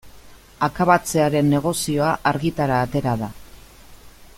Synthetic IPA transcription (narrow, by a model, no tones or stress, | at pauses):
akaβat͡se̞aɾe̞nːe̞ɣ̞o̞sio̞aʔaɾɣit̪aɾaːt̪e̞ɾaða